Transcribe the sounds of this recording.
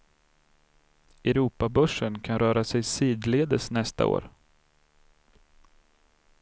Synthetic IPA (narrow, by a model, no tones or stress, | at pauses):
ɛɾuːpabœʂənkʰanɾœːɾasɛjsiːd̪leːd̪əsnɛst̪a̰o̰ːɾ